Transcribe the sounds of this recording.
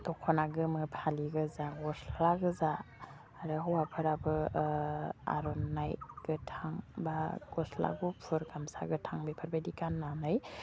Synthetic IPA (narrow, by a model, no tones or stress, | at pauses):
tɔkʰɔnaɡɯmɯpʰaliɡɯzaɡɔslaɡɯzaː | ɾɯɦɔwapʰɯɾabɯ | a̰ɾɔnːajɡ̥ɯtʰaŋbaɡ̥ɔsla̰ɡupʰɯɾɡamsa̰ɡɯtʰaŋbipʰɯɾbajdikanːanɯj